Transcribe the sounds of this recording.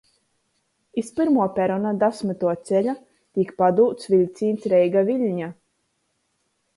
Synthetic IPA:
ispɨɾmuɔpʲɛɾɔnad̪asmɨt̪uɔt̪sɛʎʲa | t̪ikpad̪uːt̪svʲilʲt̪siːnt̪sɾɛjɡaviʎʲɲa

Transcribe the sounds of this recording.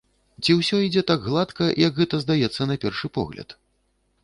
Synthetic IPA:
t͡sʲiwsʲɔid͡zʲɛt̪aɡɣlˠat̪kɐjʔɐɡɣɛt̪ɐzd̪ajɛt̪sːɐnɐpʲɛrʂɨpɔ̰ɣlʲɐ̰t̪

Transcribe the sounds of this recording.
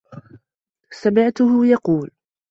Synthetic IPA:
samɪʕt̪ʊɦʊjɑquːl

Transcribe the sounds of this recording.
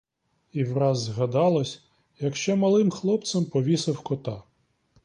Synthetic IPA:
iwrɑzːɦɐd̪ɑlˠɔsʲ | jɐkʃt͡ʃɔmɐlˠɪmxlˠɔp̚t̪sɐmpɔʋʲisɐwkɔt̪ɑ

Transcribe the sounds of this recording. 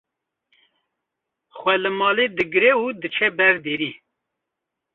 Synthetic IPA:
xwʷɛlɨmɑːled̪ɨɡɨɾɛud̪ɨt͡ʃʰɛbɛɾd̪eːɾiː

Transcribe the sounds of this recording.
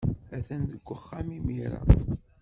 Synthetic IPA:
æθænðəɡʷːəχːamimiɾa̰

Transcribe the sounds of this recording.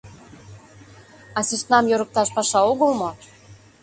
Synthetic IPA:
ɑsiʃt̪nɑmjoɾək̚t̪ɑʃpɑʃɑoɣəlmo

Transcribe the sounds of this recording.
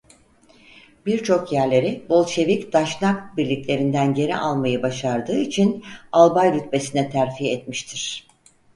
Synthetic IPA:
biɾt͡ʃʰo̞kjæɾlʲe̞ɾibo̞lˠʃe̞vicd̪̥aʃnakbiɾlʲiclʲe̞ɾind̪ænɟe̞ɾḭʔalˠmajɯbaʃaɾd̪ɯːit͡ʃʰinalˠbajɾyt̪me̞sinɛt̪ʰæɾfijɛt̪miʃt̪ʰiɾ̝̥

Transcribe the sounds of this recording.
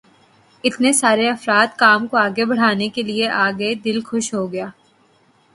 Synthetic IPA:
ɪt̪nesaːɾeɐfɾaːt̪kaːmkoaːɡebɐɽ̤aːnekelieʔaːɡəd̪ɪlxʊʃɦoɡɐjaː

